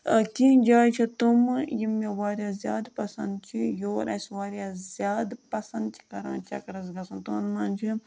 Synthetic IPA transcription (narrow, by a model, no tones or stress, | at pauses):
kʲiːd͡ʒaːjt͡ʃʰit̪umjimeʋaːɾʲjaːzjaːd̪pɐsɐ̃nd̪̚t͡ʃʰijoːɾɐ̰sʋaːɾjaːzʲjaːd̪pɐsɐ̃nd̪̚t͡ʃʰi̥kɐɾã̰ːnt͡ʃʰɐ̰kɾɐzɡɐsɐnt̪unmaːnʲt͡ʃʰi